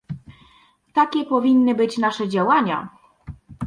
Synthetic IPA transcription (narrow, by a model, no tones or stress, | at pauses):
t̪akʲɛpɔvʲinːɘbɘt͡ɕnaʂɛd͡ʑawaɲa̰